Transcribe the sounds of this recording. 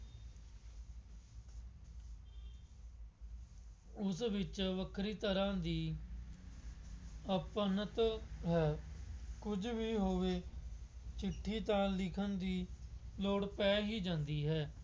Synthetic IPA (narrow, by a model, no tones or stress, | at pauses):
ʊsʋɪt͡ʃʋəkʰɾiːt̪əɾãːd̪iː | əpənət̪ɦɛːkʊd͡ʒʋiːɦoːʋeː | t͡ʃɪʈʰːiːt̪ãːlɪkʰənd̪iːloːɽpɛːɦiːd͡ʒãːnd̪iːɦɛː